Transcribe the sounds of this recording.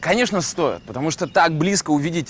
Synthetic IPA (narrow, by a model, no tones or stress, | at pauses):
kɐnʲeʂnəst̪o̞jɪ̰t̪̚pət̪ɐmuʂt̪ot̪aɡ̚blʲiskəʊvʲidʲɪtʲ